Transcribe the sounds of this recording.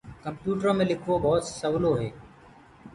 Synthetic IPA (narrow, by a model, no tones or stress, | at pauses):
kɐ̃mpjuːʈəɾõmẽlɪkʰʋobɔɦt̪sɐwloɦɛː